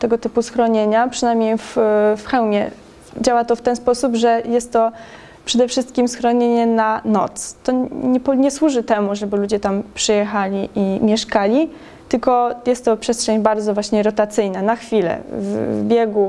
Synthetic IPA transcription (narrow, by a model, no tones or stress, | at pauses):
t̪ɛɡɔt̪ɘpusxɾɔɲeɲapʂɘnajmʲɲejffxɛwmʲjɛ | d͡ʑawat̪ɔft̪ɛnspɔsubʐɛjɛst̪ːɔ | pʂɛd̪ɛfʂɘst̪̚kʲimsxɾɔɲeɲɛnanɔ̰t̪st̪ɔɲɛpɔɲɛswuʐɘt̪ɛmuʐɛbɘlud͡ʑɛt̪ampʂɘjɛxalʲiʔimʲjɛʂkalʲi | t̪ɘlkɔjɛst̪ːɔpʂɛstʂɛɲbaɾd̪zɔvwaɕɲɛɾɔt̪at̪sɘjnanaxfʲilɛ̰vbʲjɛɡu